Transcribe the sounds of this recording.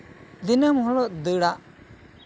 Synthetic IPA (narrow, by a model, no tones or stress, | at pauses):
d̪inamhɔlɔʔd̪əɽaʔ